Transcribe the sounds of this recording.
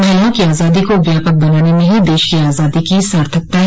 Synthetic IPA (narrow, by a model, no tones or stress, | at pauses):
aːlãkiaːzaːd̪ikoʋjaːpək̚bɐnaːnemẽɦid̪eːʃkiaːzaːd̪ikisaːɾt̪ʰək̚t̪a